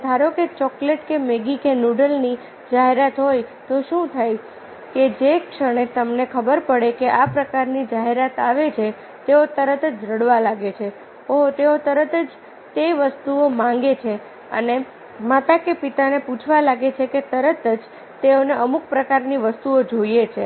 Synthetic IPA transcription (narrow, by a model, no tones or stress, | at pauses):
d̪ʱaɾoket͡ʃɔkleʈkemeɡikenuɖəlni | d͡ʒaɦeɾat̪ɦojt̪oʃũt̪ʰaj | ked͡ʒekʃəɽ̃et̪əmnekʰəbəɾpəɽekeʔapɾəkaɾnid͡ʒaɦeɾat̪aʋet͡ʃʰe | t̪eot̪əɾət̪əd͡ʒɾəɽʋalaɡet͡ʃʰe | oɦt̪eot̪əɾət̪əd͡ʒ | t̪eʋəst̪uomãŋɡet͡ʃʰe | ə̰ne | mat̪akepit̪aneput͡ʃʰʋalaɡet͡ʃʰeket̪əɾət̪əd͡ʒ | t̪eoneʔəmuk̚pɾəkaɾniʋəst̪uod͡ʒojet͡ʃʰe